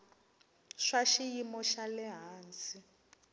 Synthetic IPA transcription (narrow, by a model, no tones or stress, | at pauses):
ʂaʃijimɔʃalɛɦaːnt͡si